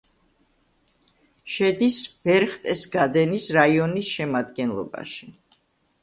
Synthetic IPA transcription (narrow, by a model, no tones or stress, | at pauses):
ʃɛd̪isb̥ɛɾχt̪ʼɛsɡad̪ɛnisɾaiɔnisʃɛmad̪ɡɛnlˠɔ̰ba̰ʃi